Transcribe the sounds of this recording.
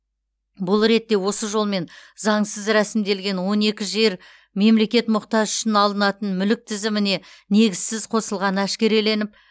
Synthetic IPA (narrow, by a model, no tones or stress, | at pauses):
bʊlˠɾe̞t̪ːe̞wo̞səʒolˠme̞nzɑɴsəzɾæsɪmd̪e̞lɡʲe̞nwo̞ne̞kʲɪʒe̞ɾ | me̞mle̞kʲe̞t̪mʊqt̪ɑʒʏ̥ʃɪnɑlˠənɑt̪ənmʏlɪk̚t̪ʰɪzɪmɪne̞ne̞ɡʲɪzsɪzqʰo̞səlˠʁɑnəæʃkʲe̞ɾe̞le̞nɪp̚